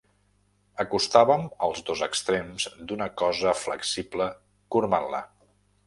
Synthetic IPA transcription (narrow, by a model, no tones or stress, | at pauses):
əkust̪aβəməlˠzd̪ozəkst̪ɾemzd̪unəkɔzəflə̰ksiplə | kuɾmanlə